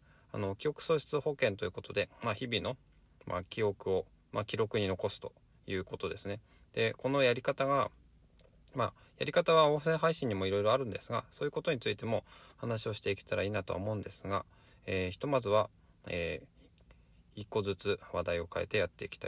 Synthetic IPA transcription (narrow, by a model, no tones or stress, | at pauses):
a̰no̞kʲio̞kɯ̟̥so̞ːɕi̥t͡sɨho̞kẽ̞nt̪o̞jiɯ̟ko̞t̪o̞d̪e̞maçibʲino̞ | mʔa̰kʲio̞kɯ̟o̞ | mʔakʲiɾo̞kɯ̟ɲ̟ino̞ko̞sɨ̥t̪o̞̥ | jɯ̟ːko̞t̪o̞d̪e̞sɨne̞ | d̪̥e̞ko̞no̞jaɾʲikat̪aɡa | ma | ja̰ɾʲikat̪aβaõ̞ːsẽ̞ɰ̃ɦaiɕĩɲ̟imo̞iɾo̞iɾo̞aɾɯ̟̃nd̪e̞sɨɡa̰so̞ːjɯ̟ko̞t̪o̞ɲ̟it͡sɨit̪e̞mo̞hanaɕio̞ɕi̥t̪e̞ikʲi̥t̪aɾaiːnat̪o̞a̰mo̞ɯ̟̃nd̪e̞sɨɡa | eːçi̥t̪o̞mazɨβa | ḛː | ikːo̞zɨt͡sɨβad̪aio̞kaḛt̪e̞jat̪ːe̞ikʲi̥t̪a̰i